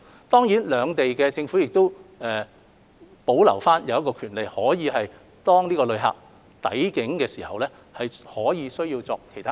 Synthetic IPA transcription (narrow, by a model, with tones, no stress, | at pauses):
t̪ɔː˥ŋjiː˨˥nlœː˨˧ŋt̪e˨jkɛː˧t͡sɪ˧ŋfu˨˥jɪ˨k̚t̪o˥wʔɛː˨ | po˨˥wlɐ̰˨˩wfaː˥njɐ˨˧wjɐ˥tkɔː˧kʰyː˨˩nle˨jhɔː˨˥jiː˨˧ɦɐ˨j | t̪ɔː˥ŋniː˥kɔː˧lɵ˧ɥɦa̰ː˨k̚ | t̪ɐ̰˨˥jkɪ˨˥ŋkɛː˧siː˨˩hɐ̰˨wlɛː˥ | hɐ˨jhɔː˨˥jiː˨˧sɵ˥ɥjiː˧wt͡sɔː˧kʰe˨˩t̪ʰa˥